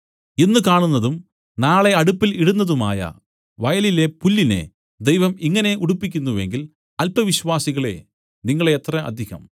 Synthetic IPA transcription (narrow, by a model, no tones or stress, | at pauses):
enːɨkaːɳunːɐðum | naːɭe̞ɐɽupːiliɽunːɐðuma̰ːjɐ̰ | ʋɐjɐlile̞pulːine̞̰ | d̪e̞jʋɐmiŋːɐne̞ʔuɽupːikʲːunːuʋe̞ŋɡil | ɐlpɐʋiɕʋaːsiɣɐɭe̞̰ | niŋːɐɭeːt̪rɐʔɐ̰d̪ʱiɣɐ̰m